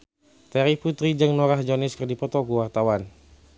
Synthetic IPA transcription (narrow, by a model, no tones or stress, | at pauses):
t̪ɛɾiput̪ɾid͡ʒɨŋnɔɾahd͡ʒɔniskərdipɔt̪ɔkuwart̪awan